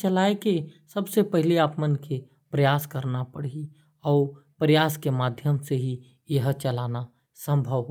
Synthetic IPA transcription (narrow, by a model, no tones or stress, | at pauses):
t͡ʃəlaːekesəbsepɛɦɪliaːpmənkʰe | pɾəjaːskəɾnapəɽ̤i | ɔːɾpɾəjaːskemaːd̪ʱjəmseɦi | jəɦt͡ʃəlaːna | sə̃mbʱəʋɦ